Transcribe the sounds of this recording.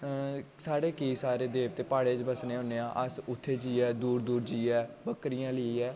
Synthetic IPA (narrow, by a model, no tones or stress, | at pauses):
saːɽeːkəiːsaːɾeːd̪eːʋt̪eːpaːɽeːd͡ʒbəsneːɦõːneːãːʔəsʊt̪ʰːeːd͡ʒiːɛːd̪uːɾd̪uːɾd͡ʒiːɛːbəkɾɪjãːləiːɛː